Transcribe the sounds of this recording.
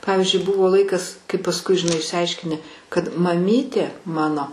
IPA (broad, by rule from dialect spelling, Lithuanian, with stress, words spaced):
ˈpɑːʋʲɪzʲd͡ʒʲʊɪ ˈbʊʋoː ˈlˠɐɪkɐs kɐɪ pɐsˈkʊɪ ʒʲɪˈnɐɪ ɪʃʲsʲɪˈɐɪʃʲkʲɪnʲɪ kɐt mɐˈmʲiːtʲeː ˈmɑːnoː